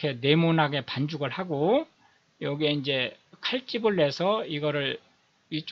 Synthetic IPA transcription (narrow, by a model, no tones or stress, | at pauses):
kʰe̞ne̞munɦaɡe̞pand͡ʑuɡɯɭhaɡo | jʌɡie̞ind͡ʑe̞kʰaɭt͡ɕ͈ibɯɭːe̞sʰʌiɡʌɾɯɭ | it͡ɕ